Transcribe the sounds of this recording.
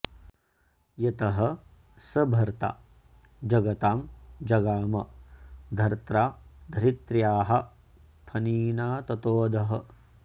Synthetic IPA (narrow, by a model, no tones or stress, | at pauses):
jɐt̪ɐɦɐ | sɐbʱɐɾt̪a̰ | d͡ʒɐɡɐt̪aːmd͡ʒɐɡaːmɐd̪ʱɐɾt̪ɾaːd̪ʱɐɾit̪ɾjaːɦɐ̆ | pʰɐniːnaːt̪ɐt̪oːd̪ʱɐɦɐ